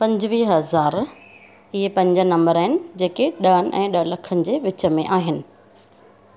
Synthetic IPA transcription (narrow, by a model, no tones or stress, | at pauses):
pɐ̃ɲd͡ʑʋiːɦɐzaːɾ | ɪɦepɐ̃ɲd͡ʑə̆nɐ̃mbəɾəɦɪnɪ̆d͡ʑeːkeɗɐənɪ̆ʔɛ̰̃ːɗɐɦlɐkʰənɪ̆d͡ʑeːʋɪt͡ɕə̆mẽʔaːɦɪnɪ̆